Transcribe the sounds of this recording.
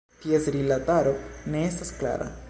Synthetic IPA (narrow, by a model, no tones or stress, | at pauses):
t̪iesɾilataɾone̞estaskla̰ɾa̰